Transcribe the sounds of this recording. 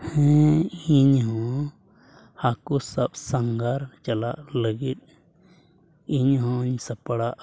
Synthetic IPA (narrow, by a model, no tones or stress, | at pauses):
hɛ̃iɲɦɔ̃ | hakusəɓsaŋɡaɾt͡ʃɐlaʔləɡit̪̚ | iɲɦɔ̃ɲsəpəɽaʔ